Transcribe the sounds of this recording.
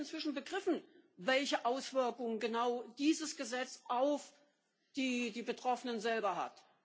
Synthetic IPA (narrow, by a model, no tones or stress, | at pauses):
ɪnt͡sv̥ɪʃn̩bəɡʁɪfn̩vɛlçəʔaʊsv̥ɪɐkʊŋəɡənaʊd̥iːzəsɡ̥əzɛt͡sʔaʊf | d̥iːdiːbətʁ̥ɔfənənzɛlbɐɦa̰t